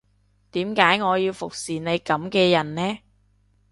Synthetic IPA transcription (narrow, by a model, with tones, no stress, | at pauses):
t̪iː˨˥mkaː˨˥jŋɔː˨˧jiː˧wfʊ˨k̚siː˨˩ne˨˧jkɐ˨˥mkɛː˧jɐ˨˩nnɛː˥